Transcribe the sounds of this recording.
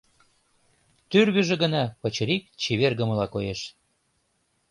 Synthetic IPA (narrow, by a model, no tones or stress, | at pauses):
t̪yrβə̆ʒĕɣə̆nɑpə̆t͡ɕə̆ɾik̚t͡ɕiβerɣə̆mə̆lɑkojeʃ